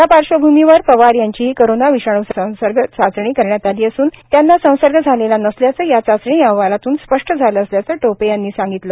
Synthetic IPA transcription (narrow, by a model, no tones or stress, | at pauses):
apaɾʂəbʱumiʋəɾpəʋaɾjaɲt͡ɕiikəɾonaʋiɕaɳ̃usə̃w̃səɾɡʱət͡sat͡sɳ̃iːkəɾɳjat̪aliːəsuːnt̪janːasə̃w̃səɾɡʱəd͡zʱalelanəsljat͡səːjat͡sat͡sɳiːãʋalat̪uːnspəʂʈəd͡zʱaləəsljat͡səːʈopejanːiːsãŋɡit̪lə